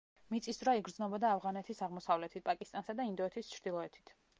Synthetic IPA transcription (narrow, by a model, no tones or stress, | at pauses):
mit̪sʼisd̪ɾaiɡɾd̪znɔbɔd̪aːvʁanɛt̪ʰisaʁmɔsavlɛt̪ʰit̪̚pʼakʼist̪ʼansad̪aind̪ɔɛt̪ʰist͡ʃʰɾd̪ilˠɔɛt̪ʰi̥t̪ʰ